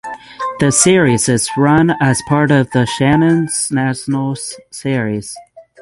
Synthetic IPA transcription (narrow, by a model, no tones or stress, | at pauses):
ðɨsɪɹizɪzɹʌ̃nəz̥pʰɑɹɾʌvðɨʃænɨ̃nz̥næʃn̩l̩ˠsɪɹiz̥